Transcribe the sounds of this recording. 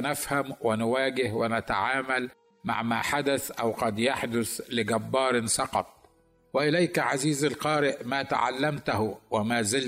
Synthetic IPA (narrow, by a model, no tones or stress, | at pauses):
nafhamwɪnʊwaːɡɪhwɪnat̪a̰ʕaːmal | ma̰ʕmaːħad̪aθʔawqɑd̪jaħd̪ʊθlɪɡabːɑːɾˤsɑqɑ̰t̪̚ˤ | wɪʔɪlajkʕaziːzalqɑːɾɪʔmaːt̪a̰ʕa̰lːamt̪ahʊwamaːzɪl